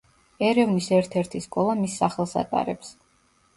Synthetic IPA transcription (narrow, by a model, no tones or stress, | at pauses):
ɛɾɛvnisɛɾt̪ʰɛɾt̪ʰiskʼɔlˠamisːaχɛlˠsa̰t̪ʼa̰ɾɛps